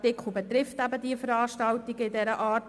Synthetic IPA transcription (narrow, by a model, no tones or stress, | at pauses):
tɪkχubɛt̪ɾɪftæbədiəfəɾɑːʃtɑltɪɡəɪdɛɾəʔɑːrt